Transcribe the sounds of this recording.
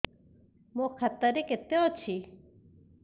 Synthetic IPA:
mõkʰɐt̪əɾeket̪eot͡ʃʰi

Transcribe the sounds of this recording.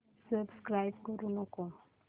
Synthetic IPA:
səbskɾajbkɔɾunoko

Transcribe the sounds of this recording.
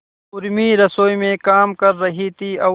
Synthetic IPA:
ʊɾmiɾɐsoːimẽkaːmkɐɾːɐɦit̪iːɐ

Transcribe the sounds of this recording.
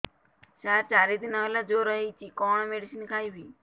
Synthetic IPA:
ʃaɾt͡ʃaɾid̪inaʋelad͡ʒoɾəɦit͡ʃikɔɳmeɽisinkʰajbʱiː

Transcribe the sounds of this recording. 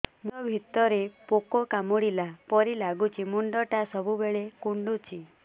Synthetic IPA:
muɔbʱit̪ɔɾepokɔkamuɽilapɔɾilaɡut͡ʃimuɳɖɔʈasɔbʱubeɭekuɳɖut͡ʃʰi

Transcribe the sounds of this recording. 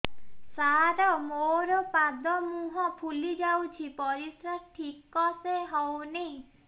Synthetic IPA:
saɾɔmoɾɔpad̪ɔmuɦɔpʰulid͡ʒawt͡ʃʰipɔɾisɾaʈʰikɔseɦɔwnej̃

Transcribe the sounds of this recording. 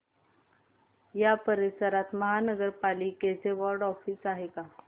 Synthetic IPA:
japəɾisəɾat̪məɦanəɡəɾpaliket͡seʋɔɾɖɔfiːsaɦeka

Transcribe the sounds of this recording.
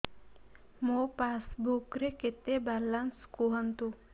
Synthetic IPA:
mopasbukɾeket̪ebalanskoɦənt̪u

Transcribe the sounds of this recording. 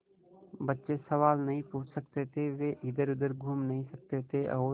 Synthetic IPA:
bɐtːʃesɐʋaːlnɐɦĩpũːt͡ʃʰsɐk̚t̪et̪ʰeʋeʔɪd̪əɾʊd̪əɾɡʱuːmnɐɦĩsɐk̚t̪et̪ʰeʔɔː

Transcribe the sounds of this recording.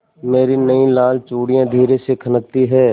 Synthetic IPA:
meːɾinɐĩlaːlt͡ʃoːɽijãd̪ʱiːɾesekʰɐnək̚t̪iɦɛː

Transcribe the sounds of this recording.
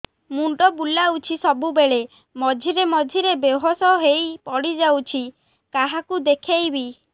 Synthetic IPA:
muɳɖɔbulaut͡ʃʰisɔbubeɭe | mɔd͡ʒʱiɾemɔd͡ʒʱiɾebeɦɔsɔɦejpɔɽid͡ʒawt͡ʃʰi | kaɦakud̪ekʰejbi

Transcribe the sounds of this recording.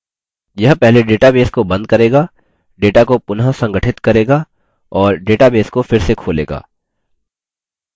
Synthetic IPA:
jɐɦpɛɦleɖeːʈabeːskobɐ̃nd̪̚kɐɾeːɡaː | ɖeːʈakopʊnɦasɐ̃ŋɡəʈʰɪt̪kɐɾeːɡaː | ɔːɾɖeːʈabeːskofɪɾsekʰoːlḛːɡa̰ː

